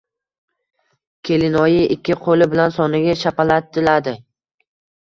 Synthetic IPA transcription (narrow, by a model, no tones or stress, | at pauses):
kʲʰe̞lɪnɒjɪʔɪkʲʰːɪqʰolɪbɪlansɒnɪɡʲaʃapalat̪̚ːɪlad̪ɪ